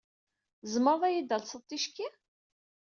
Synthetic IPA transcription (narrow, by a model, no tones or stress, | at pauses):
zəməɾðˤæjid̪ælsˤəðt̪ˤːiʃki